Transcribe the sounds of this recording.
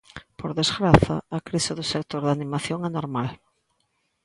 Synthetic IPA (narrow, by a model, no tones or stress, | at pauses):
poɾðezɣɾaθaːkɾiseðʊsek̚t̪oɾðanimaθjoŋɛnoɾmal